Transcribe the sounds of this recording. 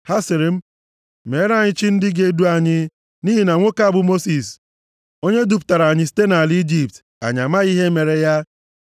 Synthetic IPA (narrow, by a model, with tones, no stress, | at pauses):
ha˦sɪ˨ɾɪ˨m̩˦ | me˨˦ɾa˦˨ɲɪ˦t͡ʃi˦n̩˦dɪ˦ɡe˦du˦a˨ɲɪ˦ | niː˦ɦi˨na˨ŋʷo˦ka˦˨bʊ˨mo˦si˨s | o˦ɲe˦du˨p̬ta˨ɾa˨ɲɪ˦s̬i̥˦te˦na˨li˦d͡ʒi˨p̚t | a̰˨ɲa˨ma˦ɣi˦ɦe˦me˨ɾe˨ja˦